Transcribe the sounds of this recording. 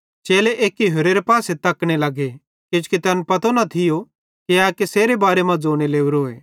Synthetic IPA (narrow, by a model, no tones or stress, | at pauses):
t͡ʃeːleʔeːkːiɦʊɾeɾepaːset̪ɐkɽ̃elɐɡe | kɪd͡ʒkit̪ɛnpɐt̪onɐt̪ʰɪjo | keaːkeseːɾebaːɾemɐ̃d͡zoːɽ̃eleːuɾoːḛː